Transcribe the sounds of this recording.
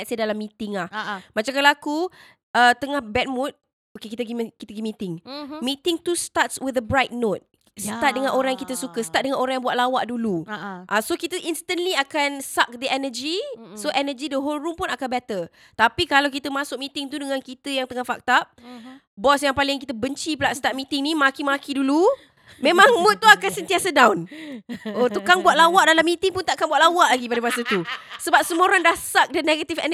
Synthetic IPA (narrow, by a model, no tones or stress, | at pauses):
ɛtsədalamːit̪ɪŋlahmat͡ʃamkalaaku | ət̪əŋahbɛt̪̚mut̪̚ | okekit̪əɡimkit̪əɡimĩt̪ɪŋmit̪ɪŋt̪ust̪atswiðəbɾajt̪̚not̪̚ | sət̪at̪̚dəŋãnʔoɾaŋjaŋkit̪əsukəsə̥t̪at̪̚dəŋãnoɾãŋjaŋbuat̪̚lawaʔduluʔasokit̪əʔinst̪ənliakansak̚dəɛnəd͡ʒisoʔɛnəd͡ʒidəɦolɾumpʊnakanbɛt̪ə | t̪apikalawkit̪əmãsʊk̚mit̪ɪŋt̪udəŋankit̪əjaŋt̪əŋahfa̰k̚t̪aʔ̚ | bɔsjaŋpalɪŋkit̪əbəɲt͡ʃipəlaʔst̪aʔ̚mit̪ɪŋnimakimakidulu | mẽmãŋmʊt̪̚ːuakansənt̪iasədawn | ʔot̪ukaŋbuat̪̚lawaʔdalamːit̪ɪŋpʊnt̪aʔkanbuaʔ̪lawaʔlaɡipadəbasat̪usəbap̚səmoɾaŋdahsak̚dəneɡət̪ifɛn